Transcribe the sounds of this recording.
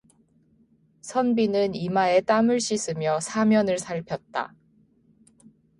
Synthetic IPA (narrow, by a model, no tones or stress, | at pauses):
sʰʌnbinɯnimae̞t͈amɯɭɕ͈is͈ʰɯmjʌsʰamjʌnɯɭsʰaɭpʰjʌt̚t͈a̰